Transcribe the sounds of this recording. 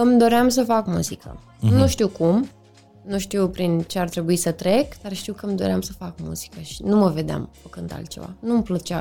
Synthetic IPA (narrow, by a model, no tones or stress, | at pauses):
ɨmd̪o̞ɾeams̬əfakmuzikʰə̰ | nuʃt̪iwkum | nuʃt̪iwpɾint͡ʃe̞art̪ɾe̞buisət̪ɾe̞kd̪̥arʃt̪iwkəmd̪o̞̰ɾeamsəfakmṵz̥i̥kəʃi̥numəve̞d̪ea̰mfəkɨnd̪a̰lt̪̚t͡ʃe̞̰va̰numplət͡ʃa